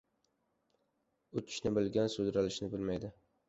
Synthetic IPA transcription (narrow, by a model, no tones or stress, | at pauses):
ʊt͡ʃʰɪ̥ʃnɪbɪlɡʲansʊd̪ɾalɪʃnɪbɪlmajd̪ɪ